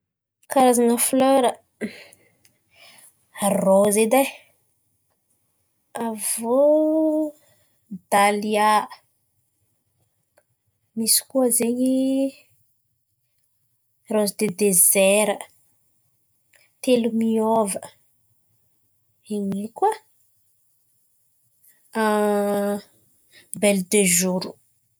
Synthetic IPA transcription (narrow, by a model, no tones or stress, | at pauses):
kaɾazanəfløɾə | arozed̪aj | avo | d̪alia | misi̥kuəzeɲi | rozd̪ed̪ezeɾə | t̪elumiovə | eɲikwə | a | beld̪eʒuɾu̥